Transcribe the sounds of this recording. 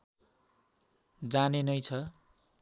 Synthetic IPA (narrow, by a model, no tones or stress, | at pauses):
d͡zanenʌjt͡sʰʌ